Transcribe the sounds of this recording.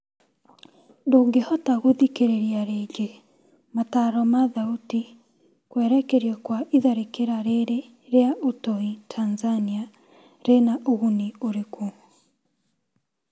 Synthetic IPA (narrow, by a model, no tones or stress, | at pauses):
ndoɡehɔtaɣoðikeɾeɾiaɾeːd͡ʒe | mataːɾɔmaðauti | kwɛːɾɛkeɾiɔkwaʔiðaɾekeɾaɾeɾe | ɾeaʔotɔitʰanzania | ɾenaʔoɣunioɾeko